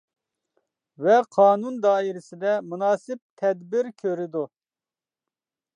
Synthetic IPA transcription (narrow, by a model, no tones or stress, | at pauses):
vɛqʰɑːnund̪ɑːiɾɪsɪd̪ɛmunɑːsɪp̚t̪ʰɛd̪bɪɾkʲʰøɾɪd̪u